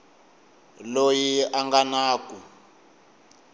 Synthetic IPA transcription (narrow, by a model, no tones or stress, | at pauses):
lojiaŋɡanaːku